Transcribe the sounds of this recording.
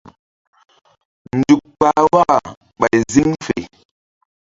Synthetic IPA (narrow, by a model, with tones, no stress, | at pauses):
n̩˨du˨k̚k͡pa˨wa˦˨ | ɓa˨jzi˦ŋfe˨